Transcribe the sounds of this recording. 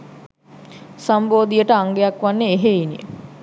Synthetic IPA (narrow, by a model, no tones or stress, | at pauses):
samboːd̪ijəʈəaŋɡejakʋanːeeɦeinḭ